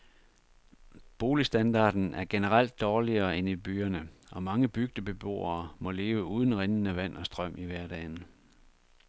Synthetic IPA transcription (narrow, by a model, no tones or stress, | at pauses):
b̥o̝ːlisd̥ænd̥ɑ̰̈ːd̥n̩ʔæɐɡ̥e̝nəʁɑl̰d̥ːɒːliɐːe̝nib̥yːɐnəɒ̽mɑ̈ŋəb̥yɡ̥̚d̥əb̥e̝b̥o̝̰ːɐːmɒ̽le̝ːʊəuːð̞ˠn̩ʁenn̩æʋæn̰ɒ̽sd̥ʁɶm̰ʔiʋæɐd̥ɛ̰ːn̩